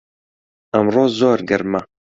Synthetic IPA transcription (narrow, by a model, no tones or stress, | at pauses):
ɐmroːzoːɾɡɐɾmɐ